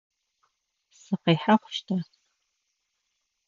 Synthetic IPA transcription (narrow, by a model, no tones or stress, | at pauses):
sɨqiːħaχʷʊ̥ʃtʰɐ